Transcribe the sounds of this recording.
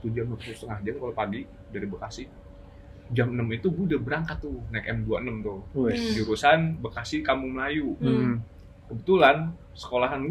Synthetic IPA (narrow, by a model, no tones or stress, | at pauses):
t̪ud͡ʒamapusust̪əŋahd͡ʒankalapaɡi | daɾibəkasɪh | d͡ʒamənəmit̪uɡudahbəɾaŋkat̪ːʊnakɛmduaənəmt̪ʊhd͡ʒuɾusanbəkasɪhkamuməlaju | kəbət̪ulan | sə̥kolaɦan